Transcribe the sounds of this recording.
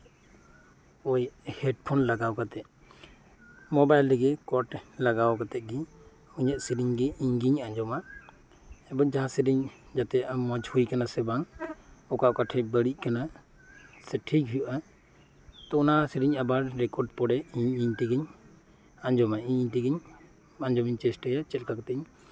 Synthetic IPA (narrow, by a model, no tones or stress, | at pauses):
ɔjhɛɖpʰɔnlaɡawkat̪ɛt̪̚ | mɔbajlɡɛkɔʈlaɡawkat̪ɛt̪̚ɡi | uɲaʔsiɾiɲɡɛiɲɡiɲaɲd͡ʒɔmaʔ | ɛbad͡ʒaɦãsiɾiɲ | d͡ʒat̪ɛamːɔd͡ʒhujkanasɛbaŋɔkaʔkaʈʰɛbəɽiʔ̚ˀkana | sɛʈʰikɦujuʔa | t̪ɔɔnasiɾiɲabaɾɾɛkɔɖpɔɽɛiɲiɲʈiɡiɲ | aɲd͡ʒɔmaʔiɲiɲʈiɡiɲ | aɲd͡ʒɔmiɲt͡ʃɛsʈɛjat͡ʃɛlkak̚t̪ɛiɲ